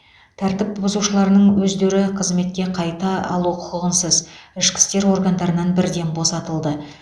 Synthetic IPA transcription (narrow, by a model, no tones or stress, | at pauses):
t̪ʰæɾt̪ɪp̚bʊzuʃəlˠɑɾənəɴwɵzd̪e̞ɾɪqʰəzme̞t̪̚kʲe̞qʰɑjt̪ɑɑ̰lˠuqʰʊ̥qəʁənsəzɪʃkʲɪ̥st̪e̞ɾwo̞ɾɡand̪ɑɾənɑnbɪɾd̪e̞nbo̞sɑt̪əlˠd̪ə